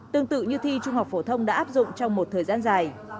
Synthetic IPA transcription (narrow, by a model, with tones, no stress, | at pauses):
t̪ɨ˧əŋt̪ɨ̰˧˨ɲɨ˧t̪ʰi˧t͡ɕʊ˧ŋ͡mha˨˩wk͡p̚k̚fo˧˩˦t̪ʰə˧wŋ͡mɗa̰ː˧˥ʔaː˦˥p̚zʊ̰˧˨ŋ͡mt͡ɕɔ˧wŋ͡mmo˨˩t̚t̪ʰəː˨˩jzaː˧nzaː˨˩j